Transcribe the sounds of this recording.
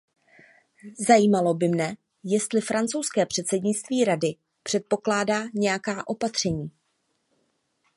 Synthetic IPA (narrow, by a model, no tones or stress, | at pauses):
zajiːmalo̞bɪmnɛ | jɛst̪lɪfɾant͡sowskɛːpr̝̥ɛt̪sɛdɲɪt͡st̪viːɾadɪ | pr̥ɛt̪̚po̞klaːdaːɲɛjakaːʔo̞pat̪r̝̥ɛɲiː